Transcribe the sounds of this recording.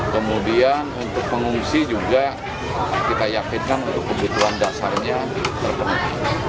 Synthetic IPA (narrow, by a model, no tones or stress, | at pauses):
kəmudianunt̪ʊk̚pəŋuŋsid͡ʒuɡa | kit̪ajakinkanunt̪ʊk̚pːəbut̪uandasarɲa | t̪ərpənət̪